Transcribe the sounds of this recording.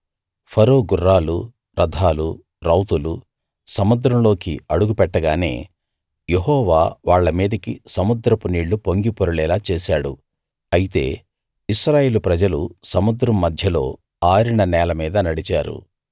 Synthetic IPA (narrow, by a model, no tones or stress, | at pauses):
pʰɐɾoːɡurːaːlu | ɾʔɐd̪ʱaːlu | ɾɐwt̪ulu | sɐmud̪ɾɐmlo̞ːkiɐɽuɡupɛʈːɐɡaːne̞̰ː | je̞ɦɔːʋaːʋaːɭːɐmiːd̪ɐkisɐmud̪ɾɐpuniːɭːupoŋɡipoɾuɭɛːlaːt͡ʃeːsaːɽṵ | ɐjit̪e̞̰ː | iʃɾaːje̞ːlupɾɐd͡ʒɐlusɐmud̪ɾɐmːɐd̪ʱjɐlo̞̰ː | aːɾiɳɐnɛːlɐmiːd̪ɐnɐɽit͡ʃaːɾṵ